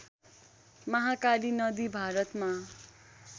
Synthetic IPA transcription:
mʌɦakalinʌd̪ibʱaɾʌt̪ma

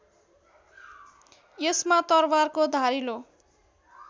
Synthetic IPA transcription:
jesmat̪ʌrwarkod̪ʱaɾilo

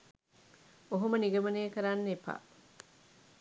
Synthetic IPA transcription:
oɦomɐniɡɐmɐneːkɐɾanːepa̰

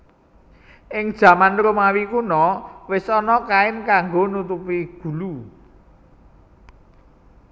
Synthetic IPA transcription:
ʔɪŋd̥ʒ̥ä̤manɾumawikunɔwɪsɔnɔkaɪmkaŋɡonut̪upiɡ̥ṳlu

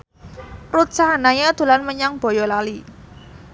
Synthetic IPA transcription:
rut͡ʃaɦanaɲad̪̥ṳlanməɲaŋb̥ɔ̤jɔlali

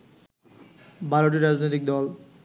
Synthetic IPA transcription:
bʱaɾoʈ̬iɾad͡ʑnojt̪ik̚d̪ɔl

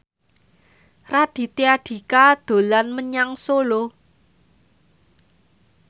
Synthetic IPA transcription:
rad̪̥i̤t̪eaɖ̥i̤kad̪̥o̤lanməɲaŋsolo

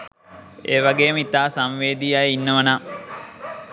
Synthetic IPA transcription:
eːʋaɡeːmit̪aːsamʋeːd̪iːjajəinːəʋəna

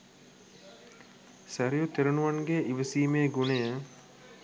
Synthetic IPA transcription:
sæɾijut̪eɾunuʋanɡeʔiʋəsiːmeːɡunejə

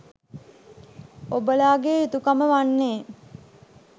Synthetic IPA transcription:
obəlaːɡeːit̪ukaməʋanːeː

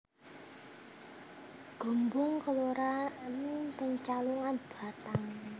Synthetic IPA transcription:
ɡ̥o̤mbʊŋkəloɾanɪŋpəɲt͡ʃaluŋanb̥a̤t̪aŋ

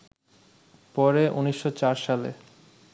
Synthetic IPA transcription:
pɔɾeʔuniʃːot͡ɕaɾʃalḛ

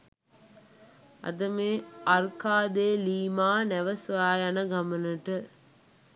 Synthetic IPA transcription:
ɐ̰d̪ɐmeːɐɾkaːd̪eːliːmaːnɛʋɐsʋaːjɐnɐɡɐmɐnəʈɨ

